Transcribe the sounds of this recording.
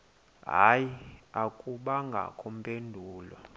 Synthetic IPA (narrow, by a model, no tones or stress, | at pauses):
ɦa̰jiakʼuɓaŋɡʱa̰kʼʰɔm̩pʼendʱuːla̰